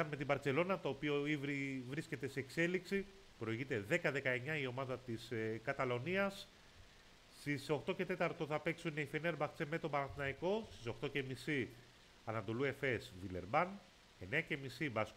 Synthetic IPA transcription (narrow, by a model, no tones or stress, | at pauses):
ɐnme̞t̪ibɐɾt͡se̞lo̞nɐt̪o̞ːpio̞ivɾivɾisce̞t̪e̞seːkse̞liksi | pɾo̞iʝit̪e̞ðe̞kɐðe̞kɐe̞ɲɐio̞mɐðɐt̪iskɐt̪ɐlo̞niɐs | t̪iso̞xt̪o̞ce̞t̪e̞t̪ɐɾt̪o̞θɐpe̞ksuneifineɾbɐxt͡seme̞t̪obɐɾɐnθinɐiko̞st̪iso̞xt̪o̞ce̞misi | ɐnɐt̪o̞lue̞fe̞svile̞ɾbɐn | e̞ne̞ɐce̞misibɐs